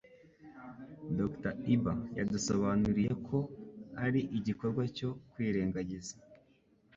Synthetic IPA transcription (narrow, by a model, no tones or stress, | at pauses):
doktaibaja̰duso̞βanuɾije̞kʰo̞aɾiʔiɟiko̞ɾɡwaco̞kwiːɾe̞ːŋɡaɟiza